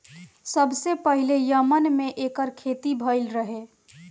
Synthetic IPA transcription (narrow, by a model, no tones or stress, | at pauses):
səbsepəɦilejəmənmeʔekəɾkʰet̪ibʱəɪlɾəɦe